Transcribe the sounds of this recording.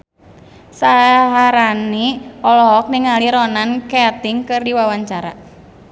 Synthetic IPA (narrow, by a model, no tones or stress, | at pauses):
saɦaɾaniɔlɔɦɔk̚niŋaliɾɔnankɛt̪iŋkɨrdiwawaɲt͡ʃaɾa